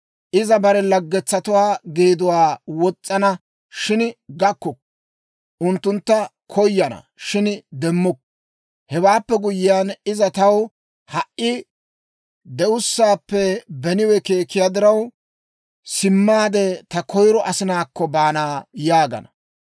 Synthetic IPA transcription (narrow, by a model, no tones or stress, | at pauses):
ʔɪzɐbɐɾɛlɐɡːɛt͡sːɐt̪ʊwaːɡeːd̪ʊwaːwɔt͡sʼːɐnɐ | ʃɪnɡɐkːɔk | ʔʊnt̪ːʊnt̪ːɐ | kʰɔjːɐnɐ̰ | ʃɪnd̪ɛmːʊk̚ | hɛwaːpːɛɡʊjɪjaːnɪzɐt̪ɐw | hɐʔʔɪ | d̪ɛʊsːaːpːɛbɛnɪwɛke̞ːkːɪjad̪ɪɾɐw | sɪmːaːd̪ɛt̪ɐkʰɔjɾɔʔɐsɪnaːkːɔbaːnaːjaːɡɐ̰nɐ